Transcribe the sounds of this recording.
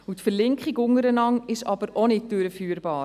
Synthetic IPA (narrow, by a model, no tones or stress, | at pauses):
utfəɾlɪŋkχikʊŋəɾənɑŋɪʃɑb̥əɾonɪt̚d̥øɾəfyːɾb̥ɑːɾ